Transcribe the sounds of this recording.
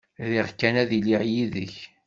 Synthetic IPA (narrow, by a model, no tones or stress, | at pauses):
ɾiʁkːænæðiliʁjiðə̰ç